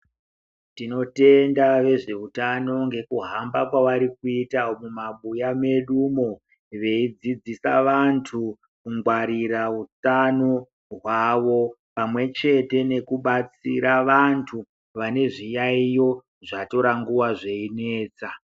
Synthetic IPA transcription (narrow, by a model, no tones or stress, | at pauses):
tino̞te̞ndaʋe̞ʐe̞utano̞ŋɡe̞kuɦambakwawaɾikuitaomumaɓujame̞ɗumo̞ | ʋe̞id͡zid͡zisa̰ʋantʰu | kuŋɡwaɾiɾaut͡sano | ɦwaʋo̞ | pamwe̞t͡ʃe̞te̞ne̞kuɓat͡siɾaʋantʰu | ʋane̞ʐijaijo̞ | ʐato̞ɾaŋɡuwaʐe̞ine̞ːt͡sa